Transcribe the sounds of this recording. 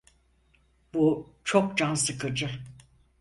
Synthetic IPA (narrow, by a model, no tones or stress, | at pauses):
but͡ʃʰok̚d͡ʒansɯkɯd͡ʒɯ